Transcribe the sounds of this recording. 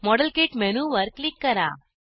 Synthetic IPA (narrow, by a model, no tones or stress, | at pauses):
mɔɖɐlkeːʈmɛnuːʋɐɾklɪkːɐɾã̰ː